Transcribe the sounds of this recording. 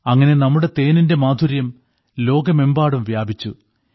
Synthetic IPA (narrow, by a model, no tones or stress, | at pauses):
ɐŋːɐne̞nɐmːuɽe̞t̪e̞ːninde̞maːd̪ʱuɾjɐm | lo̞ːɡɐme̞mbaːɽumʋjaːbʱit͡ɕːu